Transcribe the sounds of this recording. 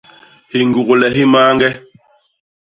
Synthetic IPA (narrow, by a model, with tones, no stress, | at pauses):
hi˨ŋɡu˨ku˨lɛ˨ɦi˦maː˦ŋɡɛ˦